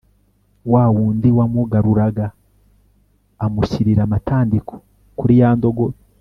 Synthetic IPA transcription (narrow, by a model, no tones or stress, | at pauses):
wawuːndiwamuɡaɾuɾaɡa | muʃiɾiɾamataːndikʰo̥ | kuɾijaːndo̞ɡo